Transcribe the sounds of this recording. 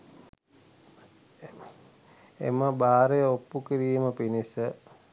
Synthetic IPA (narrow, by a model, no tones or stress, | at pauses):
ḛməbaːɾejəopːukiɾiːməpinisə